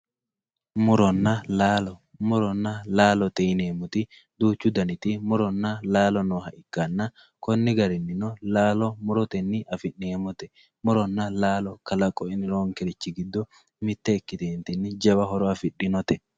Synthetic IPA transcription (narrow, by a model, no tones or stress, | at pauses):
mʊɾɔnːɐlaːlɔ | mʊɾɔnːɐlaːlɔt̪ɛɪneːmʊt̪ɪ | d̪uːt͡ʃːʊd̪ɐnɪt̪ɪmʊɾɔnːɐlaːlɔnɔɦɐʔɪkːanːɐ | kɔnːɪɡɐɾɪnːɪnɔlaːlɔmʊɾɔt̪ɛnːɪʔɐfɪʔeːmɔt̪ɛ | mʊɾɔnːɐlaːlɔkɐlɐkʼːɔɪnɪɾoːŋkɛlɪt͡ʃːɪɡɪd̪ːɔ | mɪt̪ːɛːkːɪt̪eːnt̪ɛnːɪd͡ʒɐbɐɦɔɾɔɐfɪɗːɪnɔt̪ɛ